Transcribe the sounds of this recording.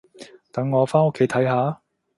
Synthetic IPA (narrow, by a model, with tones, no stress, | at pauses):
t̪ɐ˨˥ŋːɔː˨˧faː˥nʊ˥kʰːe˨˥jt̪ʰɐ˨˥jɦaː˨˧